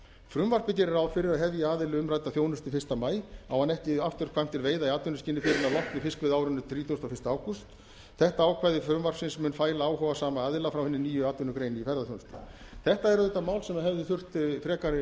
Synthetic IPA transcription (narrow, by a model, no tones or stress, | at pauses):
fɾʏmvar̥pɪc̬ɛɾɪɾawfɪɾɪɾaðɦɛvjaaːðɪlʏʏmrajt̪aθjoːwnʏst̪ʏfɪ̥st̪amaːjawhanɛhcɪaft̪ʏɾ̥kʰvajm̥t̪ɪlveːjðaiaːt̪ʏnːʏsciːnːɪfɪɾɪnawlɔht̪nɪfɪskvɪðaːwɾʏnːʏt̪ʰɾiːt̪ʰowst̪awfɪ̥st̪aaːwkust̪ | θɛht̪aaːwkʰvajðɪfɾʏmvar̥psɪnsmʏːnfaːjlaaːwɦɔvasaːmaaːðɪlafɾawhɛnːɪniːjʏaːt̪ʏnʏkɾeːjnɪifɛɾðaθjownʏst̪ʏ̥̰ | θɛht̪aɛɾʏðɛt̪ːamaːwlsɛmaðɦɛvðɪθʏr̥t̪fɾɛːkaɾɪ